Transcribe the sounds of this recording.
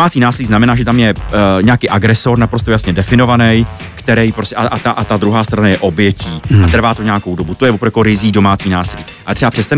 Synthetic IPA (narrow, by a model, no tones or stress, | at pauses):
aːt͡siːnaːsɪliːznamɛnaːʒɛt̪amjɛɲɛakiːʔaɡɾɛso̞ɾnapɾost̪ojasɲɛdɛfɪno̞vanɛj | kt̪ɛɾɛjpɾoscɛʔaʔat̪aʔat̪ad̪ɾuɦaːst̪ɾanajɛʔo̞bjɛciːat̪r̩vaːt̪oɲɛako̞wdobut̪ojɛvopɾokoɾɪziːdo̞maːt͡siːnaːsɪliːʔaɛt̪rɛbapr̥ɛst̪a